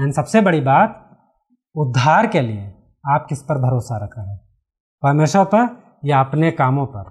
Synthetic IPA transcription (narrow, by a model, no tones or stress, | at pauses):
ɛnisɐbsebɐɽibaːt̪ | ʊd̪ʱːaːɾkelie | aːp̚kɪspɐɾbʱɐɾoːsaɾɐkʰaɦɛː | pɐɾmeːʃwəɾpɐɾ | jeɐpnekaːmõpɐɾ